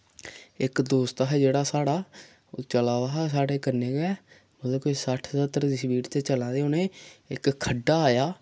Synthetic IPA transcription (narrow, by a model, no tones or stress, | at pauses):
ɪkd̪oːst̪aːɦɛːd͡ʒeːɽaːsaːɽaː | t͡ʃəlaːʋaːɦaːs̬aːɽeːkəɾneːɡɛː | məd̪oːkoisəʈʰsət̪ːəɾd̪iːsəbiːɾt̪eːt͡ʃəlãːd̪eːoːneːɪkkʰːəɖːaːaːjaː